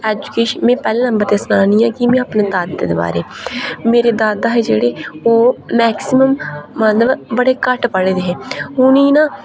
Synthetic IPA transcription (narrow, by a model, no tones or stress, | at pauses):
ɛːd͡ʒukeːʃmɛ̃ːpɛːlẽːnəmbəɾt̪eːsnaːniːãːkimẽːapneːd̪aːd̪eːd̪eːba̰ːɾeːmeːɾeːd̪aːd̪aːɦɛːd͡ʒeːɽeːoːɛːksɪməmːət̪ləbbəɽeːkəʈpəɽeːd̪eːɦɛːɦʊniːnãː